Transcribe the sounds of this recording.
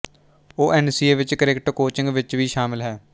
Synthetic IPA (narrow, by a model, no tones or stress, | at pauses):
oːʔɛːnsiːeːʋɪt͡ʃkəɾeːkʈkoːt͡ʃɪ̃ŋɡʋɪt͡ʃʋiːʃaːmɪlɦɛː